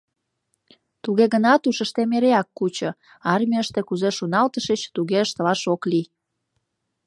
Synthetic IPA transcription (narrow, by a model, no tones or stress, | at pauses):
t̪uɣeɣənɑt̪uʃəʃt̪emeɾeɑkːut͡ɕo | ɑrmʲiəʃt̪ekuzeʃunɑlt̪əʃət͡ɕt̪uɣeəʃt̪əlɑʃokli